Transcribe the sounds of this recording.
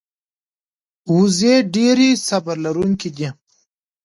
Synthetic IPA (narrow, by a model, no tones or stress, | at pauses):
wuzeɖeɾisɐbəɾlaɾuŋkid̪i